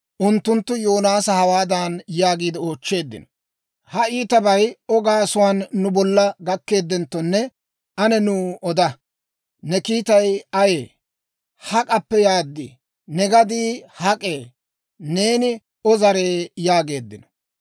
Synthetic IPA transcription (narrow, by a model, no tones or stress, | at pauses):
ʔʊnt̪ːʊnt̪ːʊjoːnaːsɐhɐwaːd̪anjaːɡiːd̪ɪo̞ːt͡ʃːe̞ːd̪ːɪ̰nɔ̥ | hɐiːt̪ɐbɐjɔɡaːsʊwaːnːʊbɔlːɐɡɐkːe̞ːd̪ːɛnt̪ːɔnːɛ | ɐnɛnuːɔd̪ɐ | nɛkiːt̪ɐjɐjeː | hɐkʼɐpːɛjaːd̪ːḭ | nɛɡɐd̪iːhɐkʼe̞ː | ne̞ːnɪ | ɔzɐɾe̞ːjaːɡe̞ːd̪ːɪnɔ̥